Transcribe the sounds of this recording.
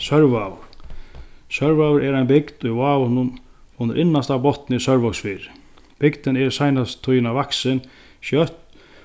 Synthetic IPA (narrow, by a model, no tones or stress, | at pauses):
sœɾvaːvʊ̰ɾ | sœɾvaːwʊɾʔɛɾajnbɪkd̪ujvaːvʊnʊn | ʊnːəɾʔɪnːast̪abɔht̪nɪisœɾvɔksfiːɾɪ | b̥ɪkt̪ɪnɛɾsajnast̪ʰːujɪnavaksɪn | ʃjœht̪